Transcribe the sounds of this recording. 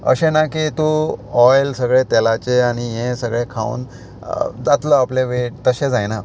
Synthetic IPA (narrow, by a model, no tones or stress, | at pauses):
ə̰ɕenakit̪uɔjlsəɡɭet̪ɛlat͡ɕeaɽ̃iɦẽsəɡɭẽkʰa̰ṵːn | d͡zat̪ləapleʋeʈt̪əɕẽd͡zajna